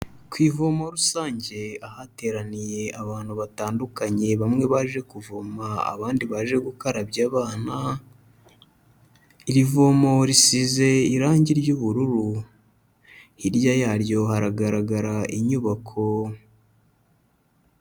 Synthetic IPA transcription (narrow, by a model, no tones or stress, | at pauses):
kwiːvo̞moɾusaːɲɟe̞ahate̞ːɾanije̞aβaːn̥huβataːndukaɲe̞βamŋe̞βaːʒe̞kuvomaa̰βaːndiβaːʒe̞ɡukoɾabɟaːβaːna | iɾivomo̞ɾisize̞iɾaːɲɟiɾɟuβuɾuɾu | hiɾjajaːɾjo̞haɾaɡaɾaɡaɾaʔiɲuβakʰo̞